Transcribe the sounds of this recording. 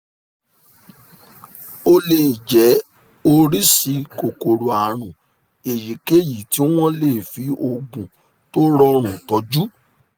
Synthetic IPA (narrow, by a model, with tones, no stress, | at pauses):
o˧le˨d͡ʒɛ˨˦ | o˧ɾi˦si˧ko˨ko˨ɾo˨a˨ɾ̃ũ˨ | e˨ji˨˦ke˦ji˨ti˨˦w̃ɔ̃˦le˦˨fi˨˦o˧ɡũ˨ | to˦ɾɔ˧ɾ̃ũ˨tɔ˨˦d͡ʒu˦